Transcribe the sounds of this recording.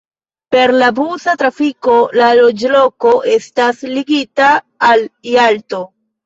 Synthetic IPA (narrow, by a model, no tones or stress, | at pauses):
pe̞ɾlabuzatɾafiko̞lalo̞d͡ʒlo̞ko̞ʔe̞stasliɡitaː | lialto̞